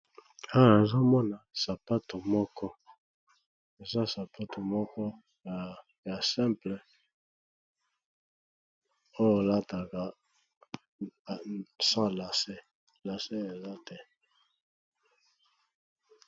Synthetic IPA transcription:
a˦we˨zo˦mɔ˦na˨sa˨pa˦to˨mɔ˦kɔ˦ | e˨za˦sa˨pʰa˦to˨mɔ˦kɔ˦˨ | ja˨sɛ̃˦mplɛ˨ | o˦jo˨la˦ta˨ka˨ | sã˦la˨se˦ | la˨se˦e˨za˦tɛ˦˨

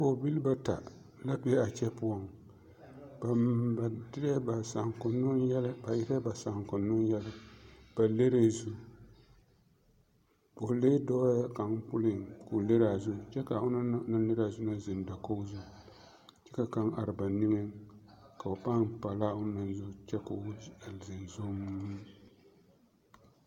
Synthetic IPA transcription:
po˨bi˦lba˦ta̰˨ | la˦bi˦ɛ˦a˨t͡ʃɛ˦pʊ˦a˦ŋ | b̥a˨ba˨dɪ˦ɾba˨sa˨ŋ˨kʊ˨nʊ˦ŋjɛ˦la˦ba˨jɪ˦ɾɛ˦ba˨sa˨ŋ˨kʊ˨nːʊ˦ŋ˦jɛ˦la˦b̥a˨le˦ɾe˦zu˦ | po˨le˦dɔ˦a˦ka˨ŋpʊ˦lɪ˦˨ŋkʊ˨le˦ɾa˨zʊ˦t͡ʃɛ˦ka˨ʊ˦na˦na˦nɨ˦ɾa˨zʊ˦na˦zɪ˨n˨da˨ko˦zʊ˦ | t͡ʃɛ˦ka˨ka˦ŋa˨ɾɪ˨ba˨nɪ˦ŋɛ˦ka˨o˨pa˦npa˨la˦ʊ˦na˨n˦zʊ˦t͡ʃɛ˦ka˨ʊ˦jɛ˨lzɪ˨n˨zo˦m˦

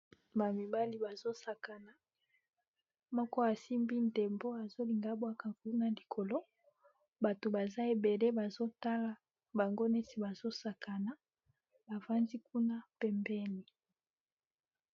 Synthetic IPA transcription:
ba˨mi˨ba˦li˨ba˨zo˦sa˨ka˨na˨ | mɔ˦kɔ˦a˨si˦mbi˦n˨de˨mbo˦a˨zo˦li˨ŋɡa˦bwa˦ka˨ku˦na˦li˨kʰo˨lo˦ | ba˨to˨ba˨za˦e˨be˨le˦ba˨zo˦ta˦la˨ | ba˨ŋɡo˦nɛ˦si˨ba˨zo˦sa˨ka˨na˦ | ba˨va˦ndi˦ku˦na˦pɛ˨mbɛ˦ni˨

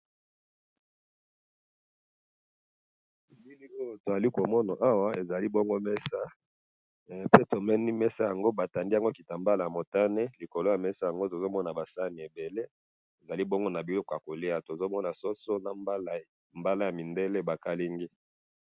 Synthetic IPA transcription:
li˦li˦o˦˨to˨za˨li˦ko˨mɔ˦na˨ʔa˦wa˦e˨za˨li˦bo˦ŋɡo˦mɛ˦sa˦ | pe˦to˨mɛ˦ni˦mɛ˦sa˦ja˨ŋɡo˦ba˨ta˨ndi˦a˨ŋɡo˦ki˨ta˨mba˦la˨ja˨mo˨ta˦ne˦li˨ko˨lo˦ja˨mɛ˦sa˦ja˨ŋɡo˦to˨zo˦mɔ˦na˨ba˨sa˦ni˨e˨be˨le˦ | e˨za˨li˦bo˦ŋɡo˦na˨bi˨lo˦ko˨a˨ko˨li˦a˨to˨zo˦mɔ˦na˨so˦so˦na˨˦˨ | mba˦la˦ja˨mi˨nde˦le˦ba˨ka˦li˦ŋɡi˦

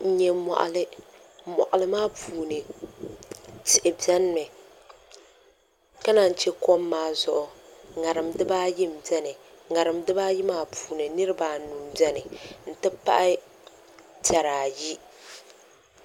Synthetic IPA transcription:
n̩˦ɲɛ˦mɔ̰˨ʔa̰˨lɨ˦ | mɔ̰˨ʔa˨lɨ˦maː˦puː˨nɨ˨ | tɪ˨ʔɪ˨bɛ˦n˦mɨ˨ | ka˦na˨n˨t͡ʃɛ˦ko˦mːaː˦zʊ˨ʔʊ˨ŋa˨ɾɨ˨mdɨ˦baː˦jɪ˦m˨bɛ˦nɨ˨ŋa˨ɾɨ˨mdɨ˦baː˦jɪ˦maː˦pʰuː˨nɨ˨nɨ˦ɾɨ˦baː˨nu˨mbɛ˦nɨ˨n̩˨tɨ˦pa̰˦ʔɪ˦ | ta˨ɾaː˨ji˦

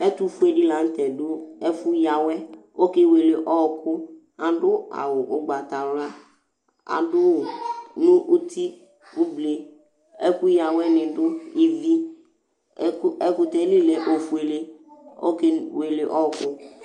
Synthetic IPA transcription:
ɛ˦t̪u˦fu˦e˨ɖi˦la˨˦n̩˦t̪ɛ˨dʊ˦ɛ˦fʊ˦ja˨wɛ˦o˦ke˦we˨le˨ʔɔ˦˨kʊ˦ | a˨ɖʊ˦a̰˨wʊ˨ʔʊ˨ɡ͡ba˨t̪a˨wla˦ | a̰˨dʊ˦ʊ˨nʊ̃˦ʔu˦t̪ʰi˦ | ʊ˦ble˨ | ɛ˦ku˦ja˨wɛ˦nɪ̃˨dʊ˦i˨vi˦ | ɛ˨kʊ˨t̪ɛ˨˦li˦lɛ˨ʔo˨fu˨˦e˨le˦o̰˦ke˦we˨le˨ʔɔ˦˨kʊ˦

